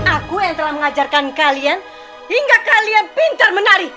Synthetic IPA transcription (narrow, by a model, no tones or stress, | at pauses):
nakujaŋt̪əlahməŋad͡ʒarkankalian | hiŋɡakalianpint̪ərmənaɾih